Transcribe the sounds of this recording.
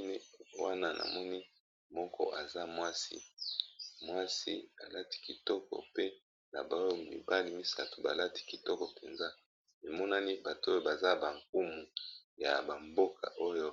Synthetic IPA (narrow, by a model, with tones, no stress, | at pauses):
ni˦wa˦na˦nʔa̰˨mɔ˦ni˦ | mɔ˦kɔ̰˦ʔa˨za˦mwa˦sḭ˦ | mwa˦si˦a̰˨la˦ti̥˦ki˨tɔ˦kɔ̰˨pe˦ | na̰˨ba˨˦jo˦mḭ˨ba˦li˦mi˦sa̰˦tu˨ba̰˨la˦ti̥˦ki˨tɔ˦kɔ˨pe˨nza˦ | e˨mɔ˦na˦ni˦ba˨to˦jo˦ba˨za˦ba˨ŋk̚u˦mu˨ja˨ba˨mbo˦kʰa̰˨ʔo˦jo˦